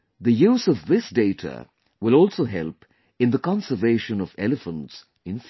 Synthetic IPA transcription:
ðəjuːzɔvðɪsdeɪtʰə̰ | wɪlɔːlˠsoːɦɛ̰lˠp | ɪ̃nðəkɑ̃nsəveɪʃə̃nɔvɛ̰ləfə̃nts | ɪ̃nf

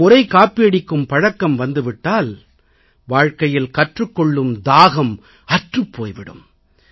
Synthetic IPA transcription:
ʊɾɐɪkaːpːɪɐɽɪkːɯmpɐɻɐkːɐmʋɐnd̪ɯʋɪʈːaːl | ʋaːɻkɐjɪlkɐʈrɯkːɔɭːɯmd̪aːɣɐm | ɐʈrɯpːoːjʋɪɽɯ̰m

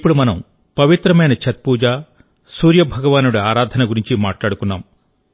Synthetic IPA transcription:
ipːuɽumɐnɐm | pɐʋit̪ɾɐmɐjnɐt͡ʃʰɐt̪̚puːd͡ʒaː | suːɾjɐbʱɐɡɐʋaːnuɽuaːɾaːd̪ʱɐnɐɡuɾiɲt͡ʃimaːʈlaːɽukunːaːm

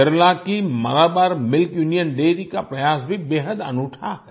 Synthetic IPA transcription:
əɾlakimɐ̰ɾaːbaːɾmɪlkjuːnijənɖeːɾikapɾɐjaːsbʱibeːɦəd̪ɐ̰nuːʈʰaːk

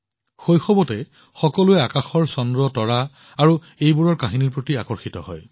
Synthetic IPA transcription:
xojxɔbɔtɛ | xɔkɔluɛakaxɔɹsɔndɹɔtɔɹa | aɹu | ejbuɹɔɹkaɦiniɹpɹotiakɔɹxitɔ̰hɔ̰j

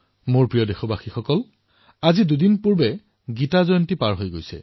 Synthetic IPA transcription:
moɹpɹijɔdexɔbaxixɔkɔl | azidudinpuɹbɛ | ɡitazɔjɔntipaɹɦojɡojsɛ̰

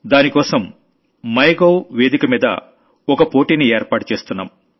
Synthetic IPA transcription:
d̪aːnikɔːsɐmː | ɐjɡɐwʋeːd̪ikɐmiːd̪ɐ̰ | ɔkɐpo̞ːʈiːnieːɾpaːʈu̥t͡ʃe̞ːst̪unːa̰ːm

